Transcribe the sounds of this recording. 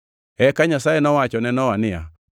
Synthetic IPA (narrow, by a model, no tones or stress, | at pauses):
ɛkaɲasajɛnɔwat͡ʃɔnɛnɔwanɪa̰